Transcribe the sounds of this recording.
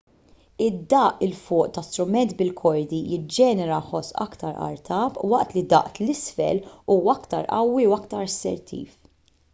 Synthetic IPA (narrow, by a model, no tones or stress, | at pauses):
ɪd̪ːɐːʔɪlfʊːʔt̪ɐst̪ɾʊmɛnt̪bɪlkʰɔɾd̪ijɪd͡ʒɛːnɛɾɐħɔsʔɐ̰kt̪ɐɾɐ̰ɾt̪ʰɐːpwɐʔt̪lid̪ɐ̰ʔt̪lɪsfɛ̰luːɐkt̪ɐɾʔɐ̰wːiwɐkt̪ɐɾɐsɛ̰ɾt̪ʰḭːf